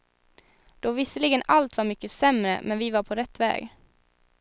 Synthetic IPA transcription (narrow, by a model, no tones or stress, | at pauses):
d̪̥ɔvɪsəlɪɡənalt̪vaɾmʏkːəsɛmɾə̰mʔɛnvɪvaɾpʰɔɾɛt̪ːvɛ̰ːɡ